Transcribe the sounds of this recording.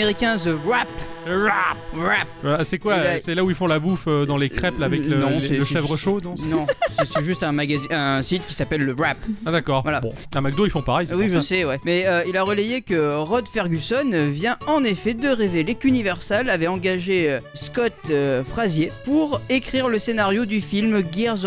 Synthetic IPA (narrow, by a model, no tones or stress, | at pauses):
eʁikʲɛ̃zəʁap | ʁapʁap̚asɛkwaasɛlauilfɔ̃labufød̪ɑ̃lekχɛplavɛklə̃ləʃɛvʁəʃoɔ̃nɔ̃sɛsɛʒyst̪ɛ̃maɡaziɛ̃sit̪kʲi̥sapɛlːəʁapad̪akɔːʁvwalab̰̃ | ɛ̃maɡ̚d̪oilfɔ̃paʁɛjwiiʒəsɛwɛmɛøilaʁəlɛjekəʁɔd̪fɛʁɡʲysɔnvjɛ̃ɑ̃nefɛd̪əʁevelekynivɛʁsɛlavɛɑ̃ɡaʒeøskɔt̪øfχazjepuʁekχiʁləsenaʁjod̪yfilmɡɛʁz